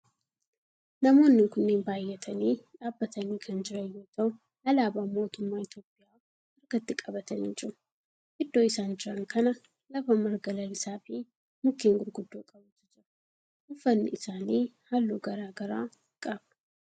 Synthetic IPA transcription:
nɐmo̞ːnːɪŋkʊnːeːnbaːjːɛt̪ʰɐniːᶑaːbːɐt̪ʰɐniːkʰɐnd͡ʒɪɾɐjːoːt̪ɐʊ | hɐlaːbaːmo̞ːt̪ʊmːaːɪt̪jo̞ːpʼːɪjaː | ɐɾɡɐt̪ːɪkʼɐbɐt̪ɐnɪt͡ʃʼʊ | ʔɪd̪ːo̞ːɪsaːnd͡ʒɪɾɐŋkɐnɐ | lɐfɐmɐɾɡɐlɐlɪsaːfiː | mʊkːiːŋɡʊɾɡʊd̪ːoːkʼɐbʊt̪ːɪd͡ʒɪɾɐ | ʔʊfːɐnːɪ̰ʔɪsaːniːhalːuːɡɐɾaːɡɐɾa̰ː | kʼab

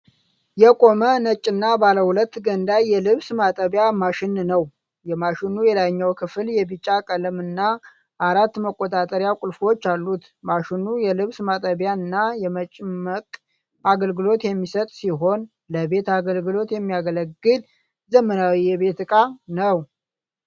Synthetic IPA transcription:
jɛkʼo̞mənət͡ʃʼːɪnːabaləhulət̪ːɡənd̪ajjɛlɨβsmat̪ʼəβjamaʃɪnnəw | jɛmaʃɪnujɛd̪ajɲːawkʰɨfljɛbɨt͡ʃʼːakʼələmɨnːa | ʔaɾat̪ːməkʼːo̞t̪ʼat̪ʼəɾjakʷʼʊlfo̞t͡ʃːalːut̪ | maʃɪnujɛlɨβsmat̪ʼəβjaɨnːajɛmət͡ʃʼɪməkʼ | aɡəlɡɨlo̞t̪jɛmːisət̪ʼsiɦo̞n | ləbe̞t̪aɡəlɡɨlo̞t̪jɛmːijaɡələɡːɨl | zəmənawijɛβe̞t̪kʼanəw

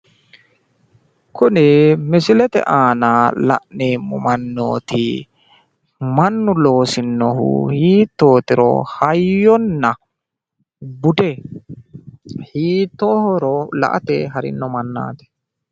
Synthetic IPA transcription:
kʊnɛmɪsɪlɛt̪ɛ̰ʔaːnalɐ̰ʔneːmːʊmɐnːo̰ːt̪ɪ̰ | mɐnːʊlo̞ːsɪnːɔɦʊ̰hiːt̪ːo̞ːt̪ɪɾɔ̰hɐjːɔnːɐ | bʊd̪ɛ | hiːt̪ːohɔɾɔlɐ̰ʔɐ̰t̪ɛɦɐɾɪ̰nːɔmɐnːa̰ːt̪ɛ̥

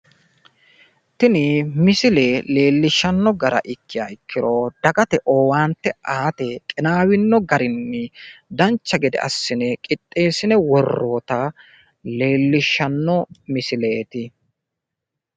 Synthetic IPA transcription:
t̪ɪnɪmɪsɪlele̞ːlːɪʃːɐnːɔɡɐɾɐ̰ʔɪkʰːɪja̰ːɪkːɪɾod̪̥ɐkʼɐt̪ɛʔo̞ːwaːnt̪ːɛaːt̪ɛkʼɪnaːwɪnːɔɡɐɾɪnːɛd̪ɐnt͡ʃːɐɡɛd̪ɛ̰ʔɐ̰sːɪnɛkʼɪt̪ʼːe̞ːsɪnɛwɔrːoːt̪ɐ | le̞ːlːɪʃːɐnːɔmɪsɪleːt̪ɪ

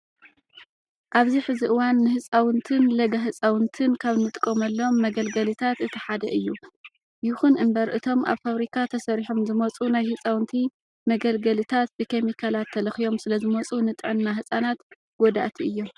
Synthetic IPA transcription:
ʔaβziħɨziʔɨwanːɨhɨt͡sʼawɨnt̪ʰɨnlɐɡaɦɨsʼawɨnt̪ʰɨnkʰaβnɨt̪ʼkʼːomɐlːɐomːɐɡɐlɡɐlit̪ʰat̪ɨt̪ʰɨħad̪ɐ̰ʔɨjːu | jɪxunʔɨmbɐɾʔɨt̪ʰo̞mʔa̰βfaβɾikʰat̪ʰɐsɐɾiħomzɨmɐt͡sʼunajhɨt͡sʼawnt̪ʰi | mɐɡɐlɡɐlit̪ʰat̪̚bɨkʰemikʰalat̪ʰːɐlɐxijo̞msɨlɐzɨmɐt͡sʼunɨt̪ʼɨʕɨnːaɦɨsʼanat̪ | ɡ̥od̪a̰ʔt̪ʰiʔɨjːo̞m

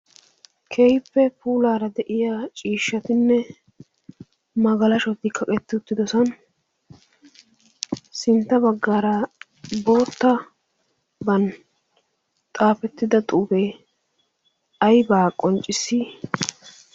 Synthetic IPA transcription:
kʰɛjpːɛpuːlaːɾɐd̪ɛʔɪjaːt͡ʃʼiːʃːɐt̪ɪnːɛ | mɐɡɐlɐʃɔt̪ːɪkʰːɐkʼɛt̪ːɪʊt̪ːɪd̪ɔsɐn | sɪnt̪ːɐbɐɡːaːɾɐ | bo̞ːt̪ːɐ | bɐn | t̪ʼaːfɛt̪ːɪd̪ɐt̪ʼuːbɛj | ɐjbaːkʼɔnt͡ʃʼːɪsːiː

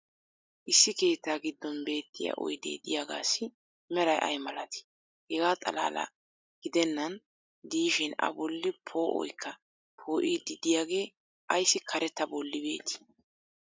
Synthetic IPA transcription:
ʔɪsːɪke̞ːt̪ːaːɡɪd̪ːɔnbe̞ːt̪ːɪja̰ʔɔ̰jd̪ḛːd̪ɪjaːɡa̰ːsːɪ | mɛɾɐjʔɐ̰jmɐlɐt̪ɪ̥ | hɛɡaːt̪ʼɐ̰la̰ːlɐ̰ | ɡ̥ɪd̪ɛnːɐn | d̪iːʃɪnɐ̰bɔlːɪpʰo̞ːʔɔ̰jkʰːɐ | pʰo̞ːʔid̪ɪd̪ɪjaːɡe̞ː | ʔɐjsːɪkʰɐɾɛt̪ːɐbɔlːɪbe̞ːt̪ʰɪ̥

